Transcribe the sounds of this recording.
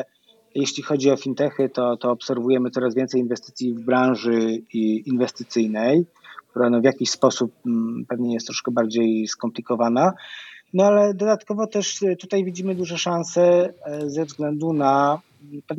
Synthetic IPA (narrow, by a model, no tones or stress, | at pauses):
jeɕlʲixɔd͡ʑiɔfʲint̪ɛxɘt̪ɔt̪ɔːpsɛɾvujɛmɘt̪sɔɾazvʲɛnsɛjinvɛst̪ɘ̥t̪sʲjivbɾãw̃ʐɘinvɛst̪ɘt̪sɘjnɛj | k̚t̪uɾanɔvʲjakʲiɕspɔsup̚ːɛvɲɛjɛst̪ːɾɔʂkɛbaɾd͡ʑejskɔmplʲikɔvananɔalɛd̪ɔd̪at̪kɔvɔt̪ɛʂt̪ut̪ajvʲid͡ʑimɘd̪uʐɛʂansɛzɛvzɡlɛnd̪una | pɛv